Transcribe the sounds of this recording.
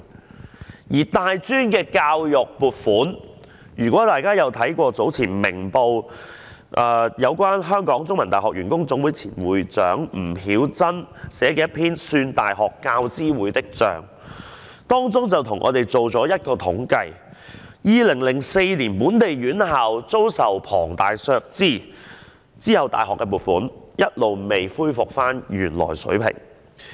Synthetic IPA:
jiː˨˩t̪aː˨jt͡syː˥nkɛː˧kaː˧wjʊ˨k̚puː˨t̚fuː˨˥n | jyː˨˩kʷwɔ˨˥t̪aː˨jkaː˥jɐ˨˧wt̪ʰɐ˨˥jkʷɔː˧t͡so˨˥wt͡sʰiː˨˩nmɪ̰˨˩ŋpo˧w | ʔaː˨˧jɐ˨˧wkʷaː˥nɦœː˥ŋkɔː˨˥ŋt͡sʊ˥ŋmɐ˨˩t̪aː˨˩hɔː˨k̚ɥyː˨˩nkʊ˥ŋt͡sʊ˨˥ŋwu˨˥jt͡sʰiː˨˩nwṵː˨˥jt͡sœ̰ː˨˥ŋm̩˨˩hiː˨˥wt͡sɐ˥nsɛː˨˥kɛː˧˥ɐ˥pʰiː˥nsyː˧nt̪a̰ː˨jɦɔː˨kːaː˧wt͡siː˥wuː˨˥jt̪ɪ˥k̚t͡ʃœ̰ː˨ŋ | t̪ɔː˥ŋt͡sʊ˥ŋt͡sɐ˨wt̪ʰʊ˨˩ŋʔɔ̰ː˨˧t̪e˨jt͡so˨wt͡sɔː˨˥jɐ˥t̚kɔː˧t̪ʰʊ˨˥ŋkɐ˧j | jiː˨˧lɪ˨˩ŋlɪ˨˩ŋse˧jliː˨˩npuː˨˥nt̪e˨jɥyː˨˥nɦa˨wt͡so˥wsɐ˨wpʰɔ̰ː˨˩ŋt̪aː˨jsœː˧k̚t͡siː˥˩ | t͡siː˥hɐ˨wt̪a̰ː˨jɦɔː˨kːɛː˧puː˨t̚fuː˨˥njɐ˥t̚lo˨wme˨jfuː˥jfʊ˨k̚faː˥njyː˨˩nlɔ̰ː˨˩jsɵ̰˨˥pʰɪ̰˨˩ŋ

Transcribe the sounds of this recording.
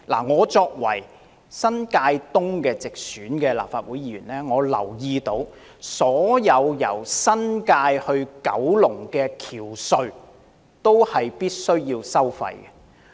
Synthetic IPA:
la̰ː˨˩ŋɔː˨˧t͡sɔː˧k̚wɐ̰˨˩j | sɐ˥nkaː˧jt̪ʊ˥ŋkɛː˧t͡sɪ˨k̚syː˨˥nkɛː˧la̰ː˨pfaː˧t̚wu˨˥jiː˨˧ɥyː˨˩nlɛː˥ŋɔː˨˧lɐ̰˨˩wjiː˧t̪o˧w | sɔː˨˥jɐ˨˧wjɐ˨˩wsɐ˥nkaː˧jhɵ˧ɥkɐ˨˥wlʊ˨˩ŋkɛː˧kʰiː˨˩wsɵ˧ɥ | t̪o˥whɐ˨jpiː˥t̚sɵ˥ɥjiː˧wsɐ˥wfɐ̰˧jɡɛ˧

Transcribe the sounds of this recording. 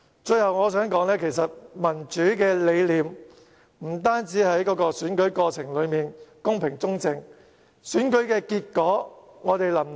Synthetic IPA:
t͡ʃɵ˧ɥhɐ˨wŋɔː˨˧s̬œː˨˥ŋkɔː˨˥ŋlɛː˥kʰe˨˩jsɐ˨t̚mɐ˨˩nt͡ʃyː˨˥kɛː˧le˨˧jliː˨˧m | m̩˨˩t̪aː˥nt͡siː˨˥hɐ˨˥jkɔː˨˧˥kɔː˧syː˨˥nkɵ˨˥ɥkɔː˧t͡sʰɪ˨˩ŋlɵ˨˧ɥmiː˨˩nkʊ˥ŋpʰɪ˨˩ŋt͡sʊ˥ŋt͡sɪ˨ŋ | syː˨˥nkɵ˨˥ɥkɛː˧kiː˧t̚kɔː˨˥ŋɔː˨˧t̪e˨jlɐ˨˩m

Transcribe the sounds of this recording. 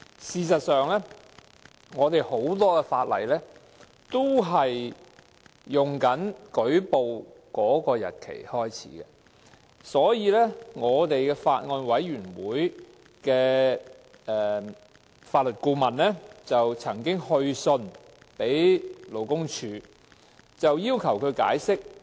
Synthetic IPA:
siː˨˧sɐ˨t̚sœː˨ŋlɛː˥ | ŋɔː˨˧t̪e˨jho˨˥wt̪ɔː˥kɛ˧faː˧t̚lɐ̰˨˩jlɛː˥ | t̪o˥wɦɐ˨j | ʊ˨ŋkɐ˨˥nkɵ˨˥ɥpo˨w | kɔː˨˥kɔː˧jɐ̰˨t̚kʰḛ˨˩jhɔː˥jt͡sʰḭː˨˥kɛ̰˧ | sɔː˨˥jiː˨˧lɛː˥ŋɔː˨˧t̪e˨jkɛː˧faː˧t̚ŋɔː˧nwɐ˨˥jɥyː˨˩nwuː˨˥j | kɛː˧ | ɛː˨ | faː˧t̚lɵ˨t̚kuː˧mɐ˨nlɛː˥t͡sɐ˨wt͡sʰɐ˨˩ŋkɪ˥ŋhɵ˧ɥsɵ˧n | pe˨˥jlo˨˩wkʊ˥ŋt͡ʃʰyː˧ | t͡sɐ˨wjiː˥wkʰɐ˨˩wkʰɵ˨˧ɥkaː˨˥jsɪ˥k̚

